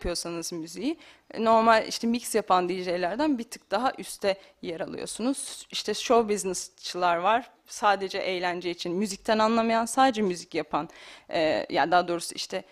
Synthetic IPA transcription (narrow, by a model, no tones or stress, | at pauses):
pʰɯjo̞sanɯzmyziji | no̞ɾmalʲḭʃt̪ʰɛmicsjapʰand̪iʒejlʲæɾd̪ænbit̪ʰɯ̥k̚d̪̥aɦaʔyst̪ʰɛ | jaɾalˠɯ̰jo̞̰sunuz̥iʃt̪ʰɛʃobiznɛst͡ʃʰɯlˠaɾvaɾ̥ | saːd̪e̞d͡ʒɛʔejlʲænd͡ʒɛit͡ʃʰinmyzic̚t̪ʰænanlˠamajansaːd̪ed͡ʒɛmyzicjapʰanɛːja̰d̪aːd̪o̞ːɾusuḭʃt̪ʰɛ